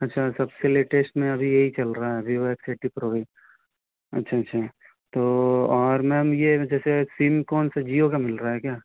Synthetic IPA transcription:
ɐtːʃʰasɐbseleʈeːsʈmẽɐbʱijɐɦit͡ʃɐlɾaɦaɦɛbioekseːʈipɾoːʋaɪ | ɐ̰tːʃʰaɐtːʃʰa | t̪oːɔːɾmɛ̃mjed͡ʒɛːsesimkɔːnsad͡ʒiːokamɪlɾaɦɛkjaː

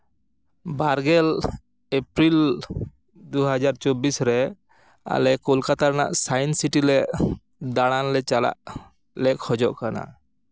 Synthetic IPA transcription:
baɾɡɛl | epɾil | d̪uɦad͡ʒaɾt͡ʃɔbisɾɛ | a̰lɛkɔlkat̪aɾna̰ʔsajnsiʈilɛʔ | d̪aɽ̃anlɛt͡ʃala̰ʔ | lɛkhɔd͡ʒɔʔkana̰

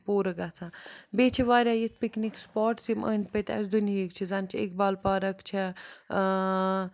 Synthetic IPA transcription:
poːɾɐɡat͡s̪ʰabeːt͡ʃʰiʋaːɾʲaːjit̪̚ʰpiknikspaːʈsimə̰ːnʲt̪̚pɐt̪ʲɐ̰sd̪uniikt͡ʃʰizant͡ʃʰiḛkbaːlpaːɾɐkt͡ʃʰi

